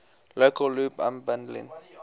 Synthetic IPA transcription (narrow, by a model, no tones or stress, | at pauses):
lokəlluːpã̰mbə̃ndlḭ̃n